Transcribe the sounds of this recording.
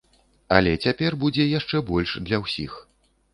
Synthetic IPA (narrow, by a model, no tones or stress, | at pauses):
ɐ̰lʲɛt͡sʲapʲɛrbud͡zʲɛjaʂt͡ʂɛbɔlʲʂd̪lʲɐwsʲix